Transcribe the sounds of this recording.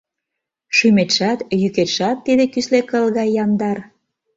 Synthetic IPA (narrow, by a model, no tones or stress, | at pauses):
ʃymet̪ʃɑt̪jyket̪ʃɑt̪ːid̪ekyslekəlɣɑjːɑnd̪ɑr